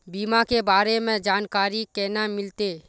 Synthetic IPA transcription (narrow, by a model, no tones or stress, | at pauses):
biːmãkebaːɾemẽd͡ʒaːnkaːɾikɛːnamɪlt̪eː